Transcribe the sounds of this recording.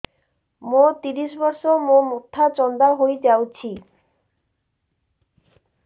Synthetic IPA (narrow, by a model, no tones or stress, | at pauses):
mot̪iɾiʃbɔɾʃomomot̪ʰːat͡ɕɔnd̪aɦojd͡ʑawt͡ɕʰi